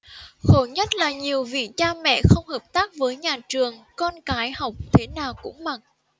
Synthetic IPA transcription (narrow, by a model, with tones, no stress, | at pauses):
xo˧˩ɲə˦˥t̚laː˨˩ɲi˨˩əwvḭ˧˨t͡ɕaː˧mɛ̰˧˨xə˧wŋ͡mhəː˨˩p̚t̪aː˦˥k̚vəː˨˦jɲaː˨˩t͡ɕɨ˨˩əŋkɔ˧nkaː˨˦jha˨˩wk͡p̚t̪ʰe˨˦naː˨˩wkʊ̰˧˥ŋ͡mma˨˩t̚